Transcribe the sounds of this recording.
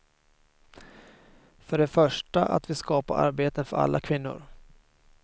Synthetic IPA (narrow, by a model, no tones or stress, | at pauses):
fœɖɛfœʂʈaʔa̰t̪vɪskɑːpaɾa̰ɾbeːt̪ənfœɾa̰lːakʰvɪnːʊ̰ɾ